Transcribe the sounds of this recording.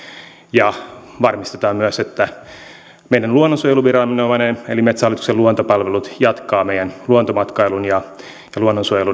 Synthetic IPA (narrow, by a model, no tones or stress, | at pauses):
jɑʋɑrmist̪et̪ɑːmmyæset̪ːæ | meidænluonːonsuojeluʋirɑminoʋɑnenelimet̪sæhɑlit̪ukseluont̪opɑlʋelut̪jɑt̪kɑːmeijænluont̪omɑt̪kɑilunjɑ | jɑluonːonsuojelu